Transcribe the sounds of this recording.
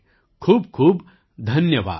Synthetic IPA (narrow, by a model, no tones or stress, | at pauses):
kʰuːbkʰuːb | d̪ʱɐnjəʋa̰ː